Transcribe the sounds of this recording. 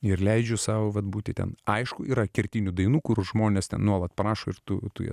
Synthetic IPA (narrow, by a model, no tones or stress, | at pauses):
ɪɾlʲɛɪd͡ʒʲʊsɑːʋoːʋɐt̪̚buːt̪ʲɪtʲɛ̰nɐɪʃkʊiːɾɐkʲɪɾʲt̪ʲinʲʊd̪ɐɪnuːkʊɾʒmoːnʲest̪ʲɛ̰nnuɔlˠɐt̪pɐɾɑːʃoːɪɾt̪uːt̪ṵjɛ̰